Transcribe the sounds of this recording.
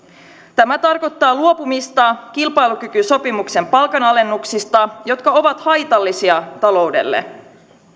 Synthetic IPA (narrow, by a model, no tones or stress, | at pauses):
t̪æmæt̪ɑrko̞t̪ːɑːluo̞pumist̪ɑk̟ilpɑjluk̟ykyso̞pimukse̞mpɑlkɑnɑle̞nːuksist̪ɑjo̞t̪kɑo̞ʋɑt̪hɑjt̪ɑlːisiɑt̪ɑlo̞wdḛlːḛ